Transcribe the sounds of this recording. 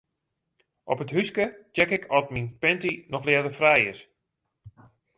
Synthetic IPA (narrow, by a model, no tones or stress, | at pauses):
ʔɔ̰pətɦyskət͡ʃɛkɪkʰɔtminpɛntinɔxlɪədəfrɛjɪs